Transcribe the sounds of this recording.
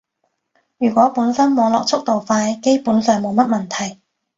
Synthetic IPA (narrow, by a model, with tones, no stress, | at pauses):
jyː˨˩kʷɔː˨˥puː˨˥nsɐ˥nmɔː˨˧ŋlɔː˨k̚t͡sʰʊ˥k̚t̪o˨wfaː˧jke˥jpuː˨˥nsœː˨ŋmo˨˧wmɐ˥t̚mɐ˨˩nt̪ʰɐ˨˩j